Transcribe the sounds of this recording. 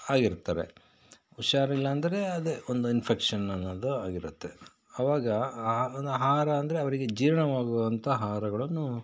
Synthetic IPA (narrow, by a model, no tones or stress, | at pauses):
aːɡiɾt̪ːaːɾe̞̰ | uʃaːɾɐilːɐːnd̪ɐɾe̞ɐd̪eond̪uinpʰekʂɐnɐnːɐd̪uaːɡiɾut̪ːe̞ | ɐʋaːɡɐond̪uɦaːɾɐːnd̪ɐɾe̞ɐʋɐɾiɡe̞d͡ʒiːɾɐɳɐʋaːɡuʋɐnt̪ʰɐɦaːɾɐɡɐɭɐnːu